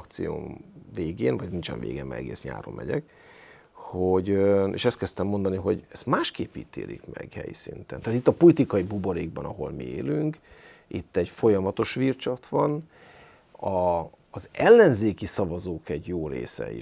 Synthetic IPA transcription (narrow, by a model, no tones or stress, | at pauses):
kt̪sijo̰ːveːɡeːnvɒɟnint͡ʃɛ̰nvḛːɡɛmmɛ̰ɛ̰ɡeːsɲa̰ːɾo̰mːɛɟɛk | hoɟøeːʃɛst̪kɛst̪ɛmːo̞nd̪ɒniɦo̞ɟɛst̪maːʃkeːpiːt̪ḛːlḭkmɛ̰ɡ̥hɛ̰jḭsint̪ɛnt̪aːt̪it̪ːɒpolit̪ikɒjibuboɾeːɡ̚bɒnɒɦo̞̰lmieːlyŋkit̪ːɛɟfo̞jɒmɒt̪o̞ʃʋirt͡ʃɒt̪ʋɒn | ɒː | zɛlːɛnzeːkisɒvɒzoːkɛɟjoːɾḛːsɛ̰i